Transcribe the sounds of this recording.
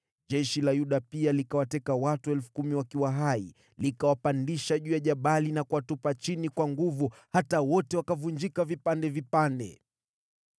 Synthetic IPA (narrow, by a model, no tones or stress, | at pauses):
ʄɛʃilajuɗapialikawatɛkawatuɛlfu̥kumiwakiwaɦaḭ | likawapandiʃaʄuːjaʄaɓalinakuwatupat͡ʃinikwaŋɡuvuhatawɔtɛwakavund͡ʒikavipandɛvipandɛ̰